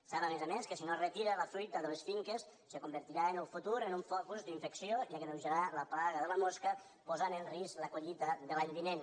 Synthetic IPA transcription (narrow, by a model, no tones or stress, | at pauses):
saβamezameskəsinorət̪iɾələfɾujt̪əðəlesfiŋkəsːəkumbəɾt̪iɾaeənəlˠfut̪uɾənuɱfɔkuzd̪iɱfəksioʒakəðəwʒəɾaləplaɣəðələmoskə | pozanəlˠrisləkuʎit̪əðəlaʎβinen